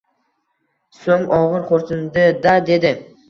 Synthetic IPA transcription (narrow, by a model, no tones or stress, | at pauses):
soŋɒʁɨɾqʰoɾt̪ʰɪnd̪ɪd̪ad̪e̞d̪ɪ